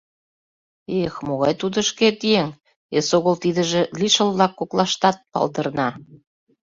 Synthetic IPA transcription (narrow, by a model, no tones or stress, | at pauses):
exmoɣɑjt̪ud̪ə̆ʃket̪ieŋ | esoɣəlt̪id̪ə̆ʒĕliʃə̆lβlɑkːoklɑʃt̪ɑt̪̚pɑ̰ld̪ɤrnɑ